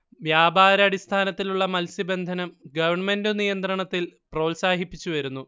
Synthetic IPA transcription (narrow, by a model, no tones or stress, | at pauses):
ʋjaːbʱaːɾɐːɽist̪ʰaːnɐt̪ːiluɭːɐmɐlsibe̞nd̪ʱɐnɐmɡɐʋɐrɳmendunijɐnt̪rɐɳɐt̪ːilproːlsaːɦipːit͡ɕːuʋɐɾunːu